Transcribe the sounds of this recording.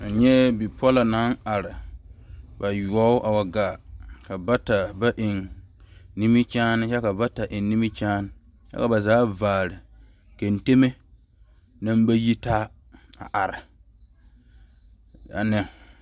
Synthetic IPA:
a˨ɲɛ˦bi˨pɔ˦la˨na˨˦na˨ɾɪ˨ | ba˨jɔ˦ʊ˦ʔa˨wa˨ɡaː˨ka˨ba˦ta˨ba˦ʔɪ˨ŋ | ni˦mi˦t͡ʃaː˦nɪ˦t͡ʃɛ˦ka˨ba˦ta˨ʔɪ˨n˦ni˦mi˦t͡ʃaː˦nɪ˦ | t͡ʃɛ̰˦ka˨ba˨zaː˨˦vaː˨ɾɪ˨ | ke˨n˨te˦me˦ | na˦m˦ba˦ji˦taː˦ | a̰˨ʔa˨ɾɪ˨ | a̰˨nɪ˨ŋ

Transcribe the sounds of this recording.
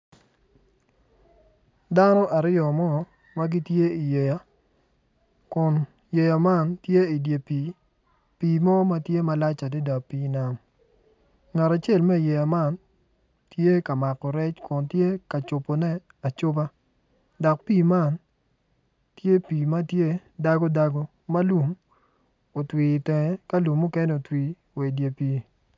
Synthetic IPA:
da˦nɔ˦ʔa˨ɾɪjɔ˨mɔ˦ | ma˦ɡi˦tje˦i˨je˨ja˨ | kʊ˨n | je˨ja˨ma˦˨ntje˦i˨dje˨pi˨ | piː˨mɔ˦ma˦tje˦ma˦la˦t͡ʃa˨de˦da˨kpiː˦na˦m | ŋa˨ɾa˨t͡ʃe˦˨lmɛ˦˨je˨ja˨ma˦˨n | tje˦ka˨ma˨kɔ˨ɾɛ˦t͡ʃkʊ˨ntje˦ka˨t͡ʃo˨po˨nɛ˦ | a˨t͡ʃʊ˦ba˦ | dɔ˨k̚piː˦˨ma˦˨n | tje˦piː˨ma˦tje˦da˦ɡo˦da˦ɡo˦ | ma˦lu˨m | o˨twi˨tɛ˨ŋɛ˨ka˦lu˨mːu˦kɛ˦ne˦o˨twi˨ | we˨i˨dje˨piː˨

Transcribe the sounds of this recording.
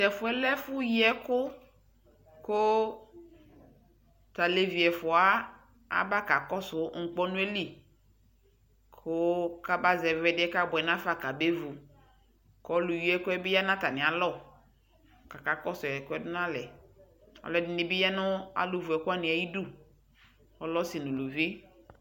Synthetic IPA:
tɛ˨fʊ˨ɛ˦lɛ˦fʊ˦ji˦ɛ˦kʊ˦ | ko˦ | t̪a˨le˨vi˨ɛ˨fʊ˨a˦ | a̰˨ba˦ka˨kɔ˦sʊ˨˦ŋ̩˨k͡pɔ˦nʊ̃˦e˦li˦˨ | kʰʊ˦ka˦ba˦zɛ˨vɛ˨dɪ˦ɛ˦ka˦bʊ˨ɛ˨nã˦fa˨ka˨be˦vu˨ | kɔ˦lu˨ji˦ɛ˦kʊ˦ɛ˦bɪ˦ja˦nã˦ta˨nɪ̃˨a˨lɔ˦˨ | ka˨ka˨kɔ˦sʊ˨ɛ˨kʊ˦ɛ˦dʊ˦n˦ã˦lɛ˨ | ɔ̰˨lɔ˨dɪ˨nɪ˨bɪ˦ja˦nʊ˦a̰˨lu˨vu˨ɛ˨kʊ˦a˦nɪ̃˨a˨ji˦du˦ | ɔ˨lɔ˦si˨nʊ̃˨lu˨vi˦

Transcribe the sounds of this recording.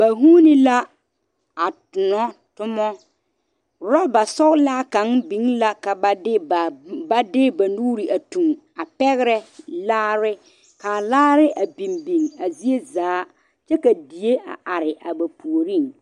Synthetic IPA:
ba˨ɦuː˦nɪ˦la˦ | a˨tʊ˨nɔ˦ | tʊ˦mɔ˦ | ɾɔ˦ba˨sɔ˦ɣlaː˦ka˨˦ŋbi˨ŋla˦ka˨ba˨dɪ˦˨ba˦dɪ˦ba˨nuː˦ɾi˨ʔa˨tu˨ŋ | a˨pɛ˦ɣɪ˦ɾɛ˦laː˦ɾɪ˦ | ka˨laː˦ɾɪ˦ʔa˨bi˨mbi˨ŋa˨zi˦e˦zaː˨˦ | t͡ʃɛ˦ka˨di˨je˦a̰˨ʔa˨ɾɪ˨ʔa˨ba˨pu˨o˨ɾi˦˨ŋ

